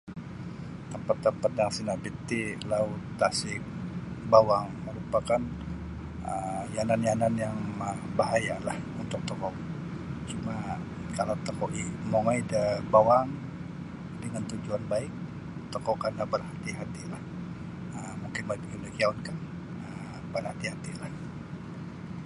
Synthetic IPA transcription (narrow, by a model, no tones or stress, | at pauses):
t̪əmpat̪ːət̪pat̪̚daŋsinaʔbit̪ilaʊt̪ːasɪk̚bawaŋməɾupakan | ə̰jananjananjaŋabaɦajalahunt̪ʊk̚t̪ɔkɔʔ | t͡ʃuma | kalawt̪okɔʔimoŋajdəbawaŋ | dəŋant̪ud͡ʒuanbaɪk̚ | t̪ɔkɔʔkandabərhat̪iɦat̪ilah | əmuŋkɪnmapkidakiaunkan | ə | bərhat̪iɦat̪ilah